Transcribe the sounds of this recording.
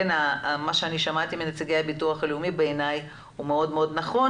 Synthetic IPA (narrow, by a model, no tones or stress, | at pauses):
enamaʃeaniʃamat̪iminat͡seɡejabituaχaleumibeːnaj | humeo̞dmeo̞d̪naχo̞